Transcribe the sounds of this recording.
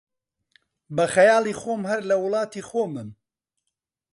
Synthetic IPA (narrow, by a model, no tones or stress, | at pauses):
bɐxɐjɑːlˠixoːmhɐɾlɐwʊlˠɑːt̪ixoːmɨm